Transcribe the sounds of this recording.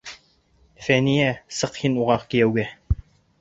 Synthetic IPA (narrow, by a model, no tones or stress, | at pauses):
fænijæsɤqhinuʁɑqkijɛwɡæ